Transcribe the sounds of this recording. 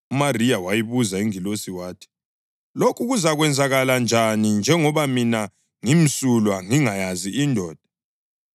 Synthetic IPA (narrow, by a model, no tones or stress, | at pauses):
umarijawajiβuzaiŋilosiwaːtʰi̥ | lokʰuɣuzaɣwɛnd͡zʱaɣaland͡ʒʱanind͡ʒʱɛŋɔβamina | ŋim̩sulwaŋiŋajaziindʱɔːd̥ʱa